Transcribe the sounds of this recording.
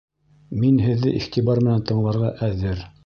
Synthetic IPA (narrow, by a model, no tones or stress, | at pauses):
minɦɘ̆ðːɘ̰ʔiχt̪ibɑɾmɘ̆nænt̪ɤ̆ɴlˠɑɾʁɑʔæðɘɾ